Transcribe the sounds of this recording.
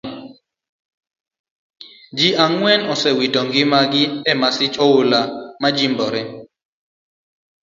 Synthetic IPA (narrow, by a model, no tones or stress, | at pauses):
d͡ʒiʔaŋwɛnɔsɛwitɔŋɡɪmaɡɪɛmasɪt͡ʃɔwʊlamad͡ʒimbɔɾɛ